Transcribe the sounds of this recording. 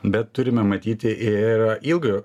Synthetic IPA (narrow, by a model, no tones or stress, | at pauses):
bʲɛt̪ːʊɾʲɪmʲɛmɐt̪ʲiːt̪ʲɪʔɪɾʔilˠɡjo